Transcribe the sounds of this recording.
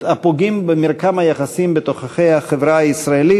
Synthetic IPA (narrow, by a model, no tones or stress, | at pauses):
apoɡimbemiɾkamhajaχasimbet̪oχaχejhaχevɾaaisɾaeli